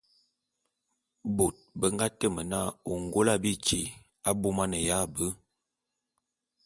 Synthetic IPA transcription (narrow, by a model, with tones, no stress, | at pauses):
bo˨t̚bə˦ŋɡa˦tə˦˨mə˨na˦˨o˨ŋɡo˦la˦bi˦t͡ʃḭ˨ | a˦bo˦ma˦nə˨ja˦˨bə˦